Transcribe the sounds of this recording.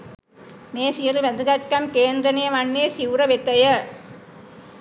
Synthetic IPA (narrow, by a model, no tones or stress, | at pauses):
meːsijɐɾɯʋɐnd̪ɯɣɐtkɐmkeːnd̪ɾɐnejɐmɐnːeːsiʋɾɐʋɛt̪ːɐjɐ